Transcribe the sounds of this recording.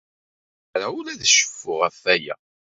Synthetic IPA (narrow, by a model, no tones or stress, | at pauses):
ɾæʊlæðʃə̥fːʊʁæfːæjæ̰